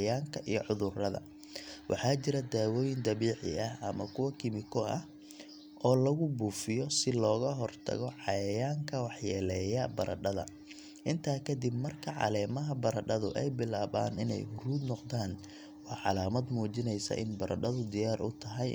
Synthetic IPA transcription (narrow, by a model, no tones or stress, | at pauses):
jaːŋkʰɐʔijɔʕʊðʊrɐðɐ̰ | wʔɑ̰ħɑːt͡ʃɪɾɐd̪aːwɔːjɪnd̪ɐβiːʕɪ̰ɐɦʔɐmɐkʰʊwɐkʰɪmɪkʰɔɐh | ʔɔːlɐɣʊbuːfɪjɔsɪlɔːɣɐɦɔrt̪ʰɐ̰ɣɔʕɑjɐjaːŋkʰɐwɑħjɛlɛːjɐbɐɾʔɐ̰ɖɐðɐ̰ | ʔɪnt̪ʰaːkʰɐd̪ɪbmɐrkʰɐʕɑ̰lɛːmɐɦɐbɐɾɐɖɐðʊʔɛjbɪlaːβa̰ːnɪnɛ̰jhʊruːd̪nɔqd̪aːn | wɑːʕɑlaːmɐd̪muːt͡ʃɪnɛjsɐ̰ʔɪ̰nbɐɾʔɐɖɐðʊd̪ɪjaːrʔʊt̪ʰɐɦɐj